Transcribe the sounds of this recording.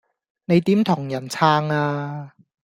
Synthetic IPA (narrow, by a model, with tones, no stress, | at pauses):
ne˨˧jt̪iː˨˥mt̪ʰʊ˨˩ŋjɐ˨˩nt͡sʰaː˥ŋaː˧